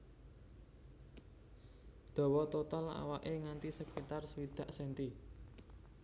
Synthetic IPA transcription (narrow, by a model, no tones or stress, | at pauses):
d̪̥ɔ̤wɔt̪ot̪ala̰waʔeŋant̪isəkit̪arsəwid̪̥ä̤ʔsɛnt̪i